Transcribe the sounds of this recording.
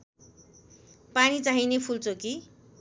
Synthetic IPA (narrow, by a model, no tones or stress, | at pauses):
panit͡saɦinepʰult͡soki